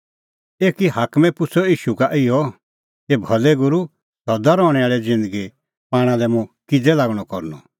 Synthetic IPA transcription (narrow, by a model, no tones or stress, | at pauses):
eːkiɦaːkmɛ̃pʊsɔiːʃukaʔɪjɔ | ebʱɐlɛɡʊɾu | sɔd̪aɾɔːɽ̃ɛaːɭɛd͡zɪ̃nd̪əɡi | paːɽ̃ãlɛmũkɪd͡zɛlaːɡɽ̃ɔkɔɾnɔ̰